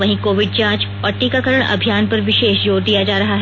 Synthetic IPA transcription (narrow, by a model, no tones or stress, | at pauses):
ʋɐɦĩkoːʋɪɖ̚t͡ʃãːt͡ʃɔːɾʈikakəɾəɽ̃ɐ̰bʱijaːnpɐɾʋɪʃeːʃjoːɾd̪ijad͡ʒaːɾɐɦaɦ